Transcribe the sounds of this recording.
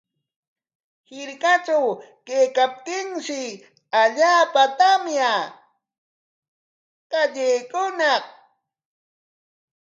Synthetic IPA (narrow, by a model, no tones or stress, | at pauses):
hɪɾkat͡ʃawkejkap̚t̪ɪŋʃɪ | aʎaːpat̪amja | kaʎejkʊnɑq